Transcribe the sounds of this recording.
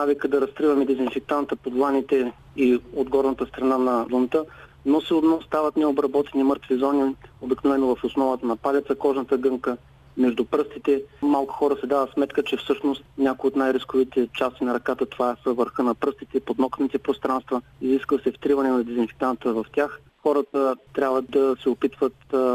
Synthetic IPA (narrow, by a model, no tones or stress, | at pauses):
navikəd̪ɐɾɐst̪ɾivɐmɛd̪ɛzinfɛk̚t̪ant̪əpod̪lˠanit̪ɛ | iod̪ɡɔɾnət̪əst̪ɾɐnanɐlˠont̪ə | nosiod̪nɔst̪avɐt̪nɛobɾɐbɔt̪ɛnimɤɾt̪vizɔniobiknovɛnːoʊvɐfosnɔvət̪ənɐpalʲit̪səkɔʒnət̪əɡɤŋkə | mɛʒd̪ʊpɾɤst̪it̪ɛmalˠkʊ̥xɔɾəsɛd̪avət̪smɛt̪kət͡ʃɛfsɤʃnost̪nʲakojot̪najɾiskʊvit̪ɛt͡ʃast̪inɐɾɐkat̪ət̪ovaɛsəvəɾxɤnɐpɾɤst̪it̪ɛpod̪nɔkənit̪ɛpɾost̪ɾanst̪vəiziskvəsɛft̪ɾivɐnɛnɐd̪ɛzinfi̥k̪ant̪əvɐft̪ʲjax | xɔɾət̪ət̪ːɾʲabvəd̪ɐsɛopit̪vət̪